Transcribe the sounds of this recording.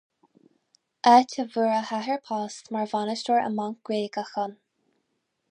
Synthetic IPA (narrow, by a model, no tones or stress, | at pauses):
ʔɛtʲʰəvəɹəhaɦɛɹpʰɑːst̪maɹvanəʃtəɹə̰maŋk̚ɡ̥ɹeːɡaxɔn